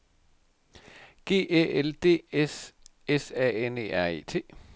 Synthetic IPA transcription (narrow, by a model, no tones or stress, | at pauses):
ɡ̥e̝̰ːʔeʔeld̥e̝̰ːes | esɛ̰ːene̝̰ːæɐ̰e̝̰ːt͡sʰe̝̰ː